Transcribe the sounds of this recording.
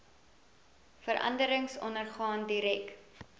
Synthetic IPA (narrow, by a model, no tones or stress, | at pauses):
fəɾʔɐ̰ndəɾəŋsɔnərχɑːndiɾɛk